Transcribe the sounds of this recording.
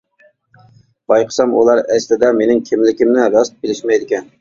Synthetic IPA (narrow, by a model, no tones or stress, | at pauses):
b̥ɑjqʰə̥sɑmṵlˠɑɾɛslɪd̪ɑmenɪŋkʲʰɪmlɪkʲɪmnɪɾɑst̪̚bɪlɪʃmɛjd̪ɪkʲʰɛn